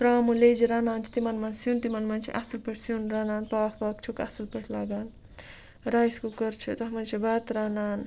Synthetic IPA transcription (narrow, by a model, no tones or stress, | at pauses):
t̪ɾaːmuled͡ʒiɾaːnaːnt͡ʃʰi̥t̪imanmansunt̪imanmant͡ʃʰḭʔasɨlpeʈʰsunɾaːnaːnpafakt͡ʃʰuka̰sɨlpeʈʰlaːɡaːn | ɾajskokəɾt͡ʃʰut̪ɐɦmɐnt͡ʃʰibaːt̪ɾanaːn